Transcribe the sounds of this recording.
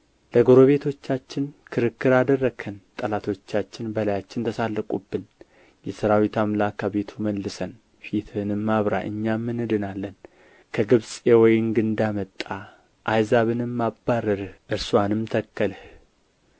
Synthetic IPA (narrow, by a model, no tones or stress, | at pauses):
ləɡo̞ɾo̞βe̞t̪ʰo̞t͡ʃːat͡ʃːɪnkʰɨɾɨkːɨɾad̪ərːəɡʰənt̪ʼəlat̪ʰo̞t͡ʃːat͡ʃːɪnbəlajat͡ʃːɪnt̪ʰəsalːəkʼubːɨn | jɛsɨɾawit̪amlakʰːaβe̞t̪ʰuməlːɨsən | fit̪ʰɨnɨmːaβɾa̰ʔɨ̰ɲːamːɨnɨd̪ɨnalːən | kʰəɡɨβsʼewɔjɪnɡɨnd̪amət̪ʼːa | ʔajzaβɨnɨmːabːaɾːəɾɨhʔɨɾsuanɨmt̪ʰəkːəlh